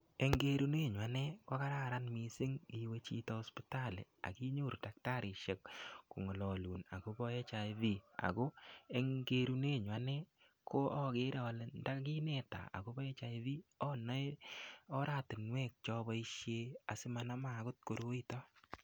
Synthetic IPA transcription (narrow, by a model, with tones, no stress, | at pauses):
e˨ŋɡe˦ɾu˦ne˦˨ɲwa˨nɛ˦kɔ˦ka˦ɾa˦˨ɾa˦nmi˨sɪ˦ŋi˨we˦t͡ʃḭ˦tɔ˨ɔ˦spi˦ta˦˨lɪ̰˨a̰˨ki˦ɲu˦˨ɾda˨k̚ta˦˨ɾɪ˨ʃe˦kkṵ˨ŋɔ˨lɔ˨lu˨na̰˨ɡo˦bɔ˦e˦t͡ʃa˨ɪ˦ði˦a̰˨ɡo˦e˦ŋɡe˦ɾu˦ne˦˨ɲ˨a˨˦nɛ˦ | ko˦ɔ˦ɣe˦ɾe˨ɔ˨lnda˦ɡi˦ne˦ta̰˨a̰˨ɡo˦bɔ˦e˦t͡ʃa˨˦ði˦ɔ˦nɔ˦ɔ˦ɾa˦˨tɪ˨nwɛ˦˨k̚t͡ʃɔ˦bɔ˦i˦ʃje˦a˨sɪ˦ma˨na˦ma˨ɡʊ˦t̚ko˨ɾo˦i˦tɔ˦